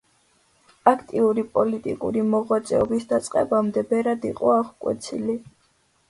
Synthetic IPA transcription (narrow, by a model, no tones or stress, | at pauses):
akʰt̪ʼiuɾipʼɔlit̪ʼḭkʼṵɾimɔʁwat̪sʼɛɔbisd̪at̪sʼqʼɛ̰bamd̪ɛbɛɾad̪iqʼɔaʁkʼwɛ̰t̪sʰḭli